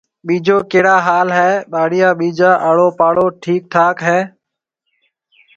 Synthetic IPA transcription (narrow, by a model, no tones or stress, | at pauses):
ɓiːd͡ʒoːkeːɽaːɦaːlɦɛːɓaːɽɪjãːɓiːd͡ʒaːʔəːɽoːpaːɽoːʈʰiːk̚t̪ʰaːkɦɛː